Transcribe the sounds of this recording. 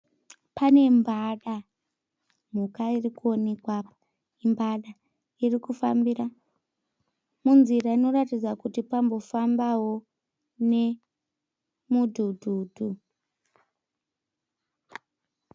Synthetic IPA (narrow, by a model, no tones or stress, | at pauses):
pane̞mbaɗa | m̤ukairikuo̞ne̞kwapḁ | imbaɗa | irikufa̰mbira | munziraino̞ratid͡zakutipambo̞fambawo̞ | ne̞ | mudʱudʱuːdʱu